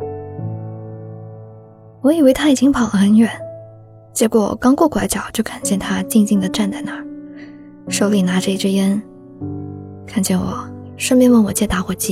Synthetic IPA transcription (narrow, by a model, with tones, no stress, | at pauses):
wɔ˧˥i˨˩we˥ɪt̪ʰa˥i˨˩t͡ɕi˥ŋpʰɑ˨˩ʊlə˦xə˧˥nɥɛ˨˩˦n | t͡ɕjɛ˧˥kwɔ̰˨˩kɑ˥ŋkwɔ˥˩kwa˧˥ɪt͡ɕjɑ˨˩˦ʊt͡ɕjo˥˩ʊkʰa˨˩nt͡ɕjɛ˥˩nt̪ʰa˥t͡ɕi˥˧ŋt͡ɕi˥˩ŋd̪ə˩ʈ͡ʂa˥˧nt͡sa˥˩ɪna˨˧˥ | ʂo˧˥ʊli˨˩na˧˥ʈ͡ʂɤ˥˧i˥˩ʈ͡ʂɻ̩˥jɛ˥n | kʰa˥˩nt͡ɕjɛ˥˩nwɔ˨˩˦ʂə˥pjɛ˥nwə˥˩nwɔ˨˩t͡ɕjɛ˥˧t̪a˧˥xwɔ˨˩t͡ɕi˥˩